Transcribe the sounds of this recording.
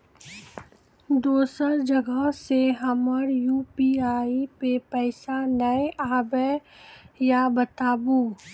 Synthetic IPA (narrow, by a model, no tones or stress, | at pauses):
d̪oːsəɾd͡ʒəɡəɦseɦɐməɾjuːpiːaːipepɛːɪsanəeʔaːbe | jabət̪aːbuː